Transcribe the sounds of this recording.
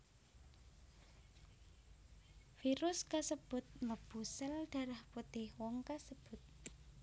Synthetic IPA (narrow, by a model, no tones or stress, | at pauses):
fiɾʊskasəb̥ʊt̪̚ləb̥ṳsəlɖ̥a̤ɾahput̪ɪhwɔŋkasəb̥ʊt̪̚